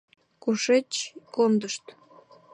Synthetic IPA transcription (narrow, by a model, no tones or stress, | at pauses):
kuʃet͡ɕkond̪əʃt̪